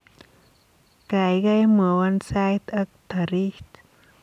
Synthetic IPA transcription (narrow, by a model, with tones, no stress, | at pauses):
ka˨jɡa˦jma˨wa˧nsa˦jt̪a˦k̚t̪a˨ɾi˦ht̪